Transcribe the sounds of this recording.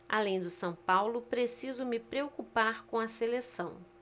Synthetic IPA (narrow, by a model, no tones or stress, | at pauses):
a̰lẽj̃d̪ʊsɐ̃w̃pawlʊpɾesizʊmɪpɾeokupaɾkõɐselesɐ̃w̃